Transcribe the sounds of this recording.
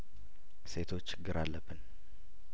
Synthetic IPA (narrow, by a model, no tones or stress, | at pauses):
se̞t̪ʰo̞t͡ʃːɡːɨɾalːəbːɨn